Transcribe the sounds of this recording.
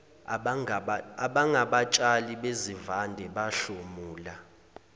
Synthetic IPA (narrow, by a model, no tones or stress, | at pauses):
aɓaŋɡʱaɓat͡ʃʼaliɓezivandʱɛɓaɬomuːla